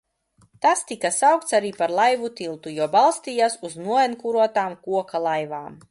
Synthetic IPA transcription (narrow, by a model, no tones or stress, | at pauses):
t̪ast̪ikasawk̚t̪saɾiːpaɾlˠajvut̪ilˠt̪ujuɔbalˠst̪iːjasuznuɔɛnkuɾuɔt̪aːmkuɔkalˠajvaːm